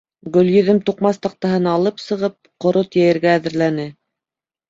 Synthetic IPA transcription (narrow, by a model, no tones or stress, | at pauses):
ɡɵ̆ljɵ̆ðɘmt̪uqmɑst̪ɑq̚t̪ɑɦɤnɑlˠɤpsɤ̆ʁɤp̚qŏɾot̪jæjɘ̆ɾɡæːðɘ̆ɾlænɘ